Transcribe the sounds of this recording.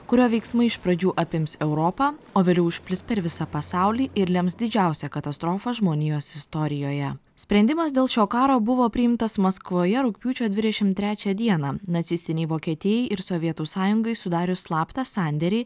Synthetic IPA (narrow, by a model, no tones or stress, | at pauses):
kʊɾʲoːʋʲɛɪksmɐɪɪʃpɾɐd͡ʒʲuːʔɐpʲɪmsɛʊɾoːpɑːoːʋʲeːlʲɛʊɪʃʲpʲlʲɪspʲɛɾʋʲɪsɑpɐsɑˑʊlʲiːʔɪɾlʲɛmsd̪ʲɪd͡ʒʲæˑʊsʲɛkɐt̪ɐst̪ɾoːfɐʒmoːnʲɪjoːsɪst̪ɔɾʲɪjoːjɛ | sʲpʲɾʲɛnʲd̪ʲɪmɐsd̪ʲeːlˠʃʲoːkɑːɾoːbʊʋoːpʲɾʲɪjɪmt̪ɐsmɐskʋoːjɛɾʊkʲpʲuːt͡ʃʲoːd̪ʲʋʲɪd̪ʲɛʃʲɪmt̪ʲɾʲæːt͡ʃʲɛd̪ʲiɛnɑnɐt̪sʲɪst̪ʲɪnʲɛɪʋoːkʲiɛt̪ʲijɛɪʔɪɾsoʋʲiɛt̪uːsɑːjʊŋɡɐɪsʊd̪ɑːɾʲʊslˠɑːpt̪ɐsɑˑnʲd̪ʲɛɾʲɛɪ